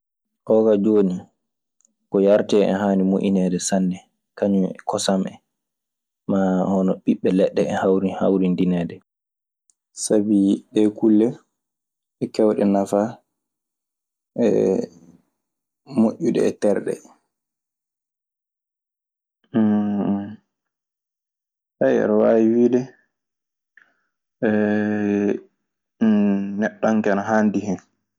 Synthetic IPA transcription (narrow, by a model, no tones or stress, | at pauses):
ʔɔɡad͡ʒoːni | kɔjaɾtɛɛ̰ɦaːnimoʔinɛdɛsanːɛ | kaɲumɛkɔsamʔɛ̰ | mahɔnɔɓiɓːɛlɛɗːɛɛhawɾiha̰wɾindinɛːdɛ | sabiɗɛkulːɛ | ɛkɛwɗɛnafa | ʔɛ̰ | moʔːuɗɛ̰ːtɛɾɗɛ̰ | hajɛ̰ɾɔwaːwiwiːdɛ | ɛ | nɛɗːɔŋkɛnaɦandiɦɛn